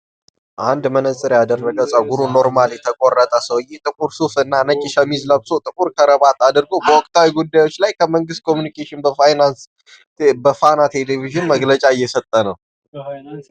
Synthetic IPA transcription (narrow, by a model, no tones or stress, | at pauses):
ʔand̪mənəsʼɨɾjad̪ərːəɡəsʼəwɡuɾuno̞ɾmaljɛt̪ʰəkʼorːət̪ʼəsəwjːet̪ʼɨkʼuɾsufɨnːanət͡ʃʼɪʃəmizləβsot̪ʼɨkʼuɾkʰəɾəβat̪ad̪ɨɾɡowbəwɔkʼt̪ʰawiɡud̪ːajwo̞t͡ʃːlajkʰəməŋɡɨst̪̚kʰo̞mjunikʰeʃɪnbəfajnans | bəfanat̪ʰe̞leviʒɨnməɡlət͡ʃʼaɪjːɛsət̪ʼːənəw